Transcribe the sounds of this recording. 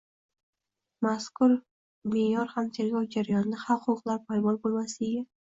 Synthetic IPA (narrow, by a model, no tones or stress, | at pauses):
maskʰʊɾ | mejɒɾhamt̪ʰe̞ɾɡʲɒwd͡ʒaɾajɒnɪnaχalqʰʊqlˠaɾpʰajmɒlbolˠmasɪeɡʲa